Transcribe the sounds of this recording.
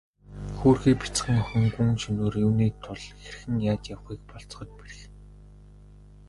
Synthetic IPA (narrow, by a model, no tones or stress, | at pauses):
xuːrxiːk̚pi̥t͡sχə̆ŋɔχɵ̆ŋɡuŋt͡ɕɵnoːrjuːniːt̪ʰʊɮxerɘ̆xɘ̆ŋjaːt̪jawχiːk̚pɔɬt͡s̆χɞ̆t͡ɕ̚peɾɘ̆x